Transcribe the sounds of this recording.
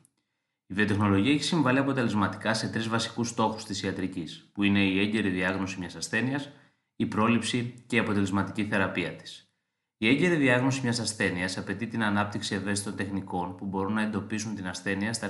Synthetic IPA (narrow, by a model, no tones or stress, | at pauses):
iðiot̪e̞xno̞lo̞ʝiɐeçisiɱvɐliɐpo̞t̪e̞le̞zmɐt̪i̥kɐse̞t̪ɾizvɐsi̥kust̪o̞xu̥st̪isiɐt̪ɾicispuine̞ie̞ɲɟe̞ɾiðiɐɣno̞simɲɐsɐsθe̞niɐs | ipɾo̞lipsiceiɐpo̞t̪e̞le̞zmɐt̪i̥ciθe̞ɾɐpiɐt̪i̥s | ie̞ɲɟe̞ɾiðiɐɣno̞simɲɐsɐsθe̞niɐsɐpe̞t̪it̪inɐnɐp̚t̪iksie̞ve̞st̪it̪o̞nt̪exniko̞npubo̞ɾunːɐe̞nd̪o̞pisunt̪inɐsθe̞niɐst̪ɐ